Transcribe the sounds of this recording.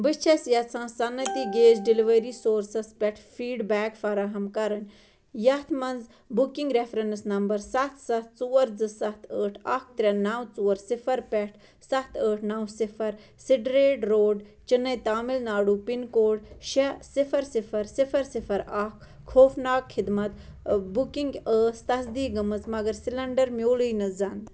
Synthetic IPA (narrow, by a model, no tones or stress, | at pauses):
bɨt͡ʃʰɐsjɐt͡sʰãːsɐnːɐt̪iɡeːzɖiliʋɐɾisoːɾsɐspʲɛʈʰfiːɖbɛːkfɐɾaɦɐmkɐɾɐnʲ | jɐt̪ʰmɐnz | bukiŋɡɾefɾensnɐmbɐɾsɐt̪ʰsɐt̪t͡suːɐɾd͡zɨsɐt̪ʰəːʈʰɐk̚t̪ɾʲɐnɐwt͡suːɐɾsifʰɐɾpʲɛʈʰ | sɐt̪ʰəːʈʰnɐwsifʰɐɾ | siɖɾeːʈɾoːɖt͡ʃinːɐjt̪aːmilnaːɽuːpinkoːɖʃɐsifʰɐɾsifɐɾsifɐɾsifɐɾaːk | kʰoːfnaːkxʰɪd̪mɐt̪bukiŋɡəːst̪ɐsd̪iːɡɐmɨt͡smɐɡɐɾsilɐɳɖɐɾmʲjoːlujnɨzɐn